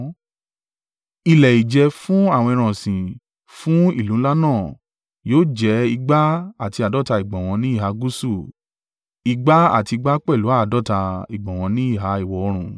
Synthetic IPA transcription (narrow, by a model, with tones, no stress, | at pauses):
i˧lɛ˨i˨d͡ʒɛ˧fũ˦a˦˨wɔ̃˧ĩ˧ɾ̃ã˨sĩ˨ | fũ˦i˦˨lũ˨˦la˦nãː˦˨ | joː˦˨d͡ʒɛ˨˦i˧ɡ͡ba˦a˦˨ti˧a˨dɔ˦ta˧i˨ɡ͡bã˨w̃ɔ̃˧nĩ˦i˦˨ɦa˧ɡu˦su˦˨ | i˧ɡ͡ba˦a̰˦˨ti˧ɡ͡ba˦k͡pɛ˦˨lu˨˦a˦˨dɔ˦ta˧i˨ɡ͡bɔ̃˨w̃ɔ̃˧nĩ˦i˦˨ɦa˨˦i˨wɔ˧˨ɔ˧ɾ̃ũ˨